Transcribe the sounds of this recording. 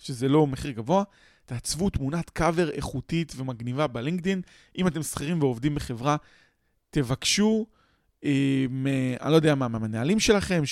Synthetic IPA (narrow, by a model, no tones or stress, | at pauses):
ʃeze̞lo̞meχiʁɡavo̞a | t̪eat͡svut̪munat̪kave̞ʁḛχutit̪ve̞maɡnivabeliŋɡd̪in | ʔimate̞msχiʁimveo̞vdimbeχe̞vʁa | te̞vakʃu | emea̰nilojd̪eamameamenaalimʃe̞laχe̞m